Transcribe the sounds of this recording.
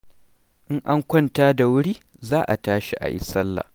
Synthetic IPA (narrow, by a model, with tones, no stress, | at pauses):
ʔɪ˦ŋʔa˦ŋkʷɐ˦ntaː˦da˨wʊ˦ɽiː˦ | zaː˦ʔa˨taː˦ʃi˦ʔa̰˨ʔɪ̰˦sɐ˦lːa̰˨